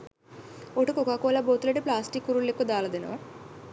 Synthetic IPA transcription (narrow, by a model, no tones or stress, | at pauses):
oʈukokaːkuɐlaboːt̪uleʈːiplaːsʈikːuɾuɭːekːud̪aːlɐd̪ino̰ː